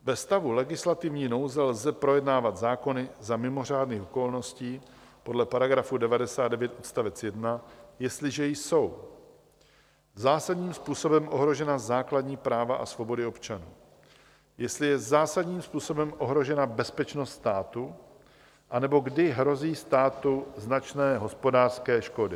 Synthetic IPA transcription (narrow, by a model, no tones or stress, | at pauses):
vɛst̪avulɛɡɪslat̪ɪvɲiːno̞wzɛlzɛpɾo̞jɛdnaːvat̪zaːko̞nɪzamɪmo̞r̝aːdniːxoko̞lno̞sciː | po̞dlɛpaɾaɡɾafudɛvadɛsaːd̪̚dɛvjɛt̪ʔot̪st̪avɛt͡sjɛdnajɛst̪lɪʒɛjso̞w | zaːsadɲiːmspuːso̞bɛmʔo̞ɦɾo̞ʒɛnazaːkladɲiːpɾaːvaʔa̰svo̞bo̞dɪo̞pt͡ʃanuː | jɛst̪lɪjɛzaːsadɲiːmspuːso̞bɛmʔo̞ɦɾo̞ʒɛnabɛspɛt͡ʃnost̪st̪aːt̪u | ʔanɛbo̞ɡdɪɦɾo̞ziːst̪aːt̪uznat͡ʃnɛːɦo̞spo̞daːr̥skɛːʃko̞dɪ